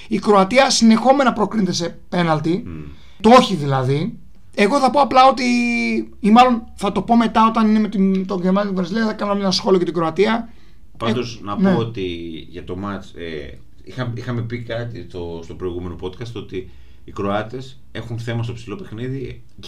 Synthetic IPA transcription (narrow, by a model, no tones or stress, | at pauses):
ikɾo̞ɐt̪iɐsine̞xo̞me̞nɐpɾo̞kɾint̪e̞se̞pe̞nɐlt̪i | t̪o̞çiðilɐði | e̞ɣo̞θɐpoɐplɐo̞t̪i | imɐlo̞nθɐt̪o̞po̞me̞t̪ɐo̞t̪ɐnine̞met̪int̪oʝemɐt̪it̪ivɾɐziliθɐkɐnoɐmenɐsxo̞liocet̪iɡɾoɐt̪iɐ | pɐd̪o̞znɐpneot̪iʝɐt̪o̞mɐt͡sḛ | ixɐmixɐme̞pikɐt̪it̪ost̪o̞pɾo̞iɣume̞no̞po̞t̪kɐst̪o̞t̪iː | kɾo̞ɐt̪e̞s | e̞xunθe̞mɐst̪o̞psilo̞pe̞xniði